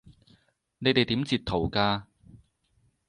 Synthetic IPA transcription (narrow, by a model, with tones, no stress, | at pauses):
ne˨˧jt̪e˨jt̪iː˨˥mt͡siː˨˩t̪ʰːo˨˩wkaː˧